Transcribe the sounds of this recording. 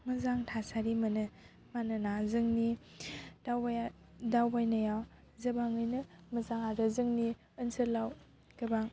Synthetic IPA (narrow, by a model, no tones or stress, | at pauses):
mɯzaŋtʰasaɾimɐnɯ | manɯnazɯŋni | dawaj | dawbajnɐjaw | zɐbaŋɯjnɯmɐzaŋaɾɯzɯŋni | ɯnsɯlaw | kɯbaŋ